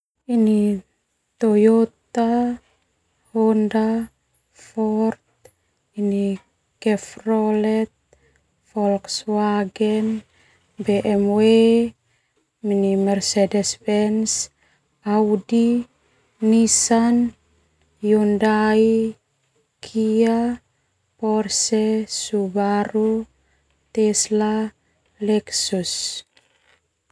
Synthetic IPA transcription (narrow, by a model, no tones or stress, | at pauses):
ini | t̪ojot̪a | honda | fɔrt̪̚ | ini | kɛfrɔlɛt̪̚ | fɔlkswaɡɛn | bɛʔɛmwe | minimɛrsɛdɛspɛns | awdiː | isan | jundai | kʰia | pɔrsɛsubaɾu | t̪ɛsla | lɛksus